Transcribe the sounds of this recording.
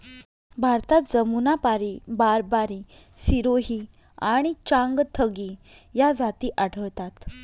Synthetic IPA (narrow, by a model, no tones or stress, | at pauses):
bʱaɾt̪at̪̚d͡zəmunapaɾibaɾbaɾi | siɾoɦi | aɽ̃it͡ɕãŋɡt̪ʰəɡi | jad͡zat̪iːʔaɽ̤ʰʱəɭt̪at̪